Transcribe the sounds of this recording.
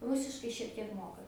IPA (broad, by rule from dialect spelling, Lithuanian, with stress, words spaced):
ˈrʊsʲɪʃkɐɪ ʃʲiɛk tʲiɛk ˈmoːkɐ